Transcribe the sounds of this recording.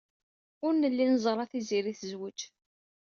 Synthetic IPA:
ʊɾnəlːinzˤəɾˤɑθiziɾiθəzwəd͡ʒ

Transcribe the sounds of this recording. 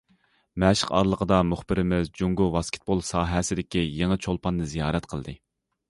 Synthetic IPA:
mɛʃɪ̥qɑ̰ɾlˠəqʰəd̪ɑmuχbɪɾɪmɪzd͡ʒuŋɡuvɑskʲe̥t̪̚bolˠsɑːɦɛsɪd̪ɪkʲijeŋət͡ʃʰolˠpɑnːɨzijɑːɾɛt̪qʰəlˠd̪ɨ

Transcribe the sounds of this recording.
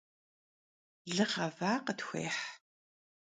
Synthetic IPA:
ɮɨχɐvaːqətxʷḛːħ

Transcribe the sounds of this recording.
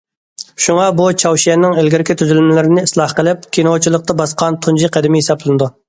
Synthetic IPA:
ʃuŋɑbut͡ʃʰɑwʃijɛnːɪŋelɡʲiɾɪkʲʰit̪ʰyzylmɪlɪɾɪnɪislˠɑhqəlˠɪp̚kʲʰenot͡ʃʰilˠəq̚t̪ɑbɑsqɑnt̪ʰund͡ʒiqʰæd̪ɪmɪɦesɑplˠɨnɨd̪u

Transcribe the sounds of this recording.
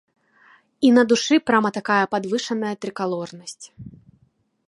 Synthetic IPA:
inɐd̪uʂɨpɾamɐt̪akajɐpad̪vɨʂɐnɐjɐt̪ɾɨkalˠɔrnɐsʲt͡sʲ

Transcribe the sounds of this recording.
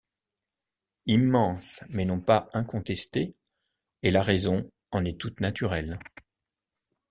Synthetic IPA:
imːɑ̃smɛnɔ̃paɛ̃kɔ̃t̪ɛst̪eː | laʁɛzɔ̃ | ɑ̃nɛt̪ut̪nat̪yʁɛl

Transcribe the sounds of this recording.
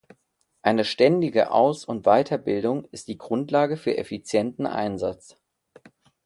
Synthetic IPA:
ʔaɪnəʃtɛndɪɡə̰ʔa̰ʊsʊntv̥aɪtʰɐbɪldʊŋɪst̚d̥iːɡʁʊntlaːɡəfyːɐʔɛfit͡sjɛntn̩ʔa̰ɪnzat͡s

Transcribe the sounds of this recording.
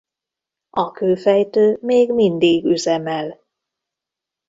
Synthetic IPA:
ɒkøːfɛjt̪øːmeːɡmind̪iɡyzɛmɛl

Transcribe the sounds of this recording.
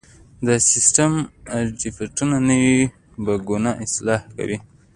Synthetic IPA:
d̪əsɪsʈamɖifiʈunanəwi | baɡunɑʔɪslɑhka̰wi

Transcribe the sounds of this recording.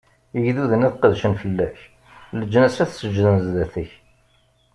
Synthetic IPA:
əʝðuðənæθqəðʃənfəlːæç | ləd͡ʒːnæsæθsəd͡ʒːðənzðæθəç

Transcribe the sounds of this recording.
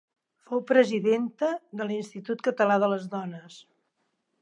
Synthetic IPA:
fowpɾəziðent̪əðəlinst̪it̪ut̪̚kət̪əlaðələzðɔnəs

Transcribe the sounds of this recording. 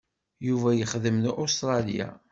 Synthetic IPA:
juvæjəχðəmnʔost̪ɾˤɑlija̰

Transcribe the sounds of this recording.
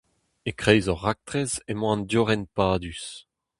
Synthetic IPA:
ekχɛjzɔʁːak̚t̪χɛzemɑ̃ndjɔʁɛnpaːd̪ys

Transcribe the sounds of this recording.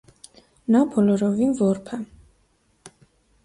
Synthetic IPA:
nɑbɔlɔɾɔvinvɔɾpʰɛ

